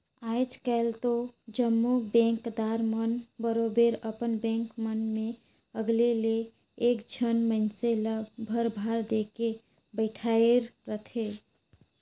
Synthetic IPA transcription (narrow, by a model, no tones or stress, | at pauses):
aːjd͡ʒkɛlt̪od͡ʒəmːubɛ̃ŋkd̪aːɾmənbəɾobeɾəpənbɛ̃ːŋkmənmẽ | əɡleleː | kd͡ʒʰʱənməɪnseləbbʱəɾbʱaɾd̪eke | bəɪʈʰaeɾɾək̪ʰe